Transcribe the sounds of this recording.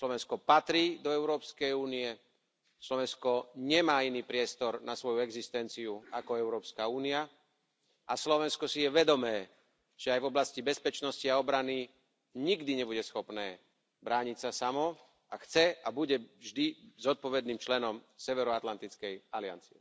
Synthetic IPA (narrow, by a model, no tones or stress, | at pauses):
slɔʋɛnskɔpat̪ɾiːd̪ɔɛʊɾɔːpskɛjuːniɛ | slɔʋɛnskɔɲɛmaːiniːpɾɪɛst̪ɔɾnasʋɔjuɛɡzist̪ɛnt͡siuakɔɛʊɾɔːpskauːnia | ʔaslɔʋɛnskɔsijɛʋɛd̪ɔmɛː | ʒ̥ɛajvɔblascibɛspɛt͡ʃnɔsciaɔbɾani | ɲiɡd̪iɲɛbuɟɛsxɔpnɛː | bɾaːɲicsasamɔ | axt͡sɛabuɟɛʒd̪izɔt̪̚pɔʋɛd̪niːmt͡ʃlɛnɔmsɛʋɛɾɔat̪lant̪it͡skɛjalɪa̰nt͡siɛ̰